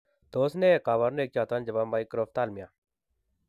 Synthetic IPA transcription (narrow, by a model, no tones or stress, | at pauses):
d̪̥oːsnekaːʋaɾneːk̚t͡ʃaːt̪and͡ʒɐbaːmaːikɾoft̪aːlmɪjaː